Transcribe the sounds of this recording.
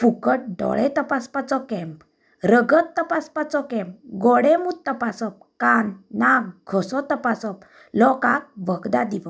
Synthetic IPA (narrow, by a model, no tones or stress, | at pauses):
pukəʈ̚ɖɔ̰ɭɛt̪əpaspat͡sɔkɛmp | ɾəɡət̪ːəpaspat͡sɔkɛ̃mp̚ɡɔɽɛmut̪ːəpasɔp̚kanːaɡɡʰʱɔsɔt̪əpasɔp | lɔkak̚ʋəɡd̪ad̪iʋə